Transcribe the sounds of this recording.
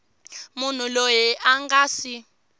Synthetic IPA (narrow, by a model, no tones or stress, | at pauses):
mun̤ulojɛʔaŋɡaːsi